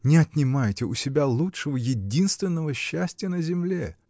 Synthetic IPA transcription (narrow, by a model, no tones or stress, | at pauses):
nʲɪɐt̪ʲnʲɪmajɪtʲɪʊsʲɪbʲalˠutʂəvəjɪdʲinst̪vʲɪnːəvəɕːæsʲtʲɪjənəzʲɪmlʲe